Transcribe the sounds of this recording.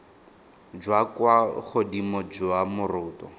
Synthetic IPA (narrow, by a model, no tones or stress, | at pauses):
d͡ʒwakwaχodimɔd͡ʒʊamʊrʊːtɔ